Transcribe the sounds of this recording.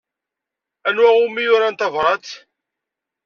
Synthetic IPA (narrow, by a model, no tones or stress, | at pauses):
ænwæʁʊmːijʊɾant̪ɑvɾˤɑt͡s̪